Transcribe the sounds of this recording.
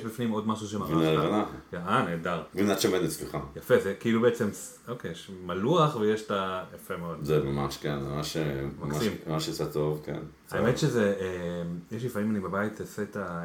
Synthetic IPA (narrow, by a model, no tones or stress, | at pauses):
eʃbifnimo̞dmaʃ̬uʃ̬emainanajaaneːdaʁɡinatt͡ʃamet̪esliχajafezekiilubeet͡se̞m | okejeʃmaluaχvejeʃtajafemeodzemamaʃkenemaʃemakmsaimmaʃsat̪ovkḛn | aemet̪ʃezemjeʃ̬lifaimanibabait̪eset̪a